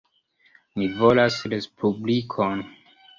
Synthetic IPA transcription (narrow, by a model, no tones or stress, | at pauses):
mivolasɾespʰublikʰon